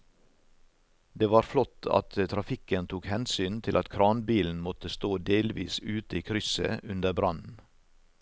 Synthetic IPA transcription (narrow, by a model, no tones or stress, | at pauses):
d̪eːʋɑːɾflɔt̪ʰɑ̰t̪ət̪ʰɾɑfɪkənt̪ʰuːkhɛnsyːnt̪ʰɪlʔɑt̪kʰɾɑːnbiːln̩mɔt̪əst̪oːd̪eːlʋḭːsʉːt̪əiːkʰɾʏsə̰ʔʉnd̪əbɾɑnn̩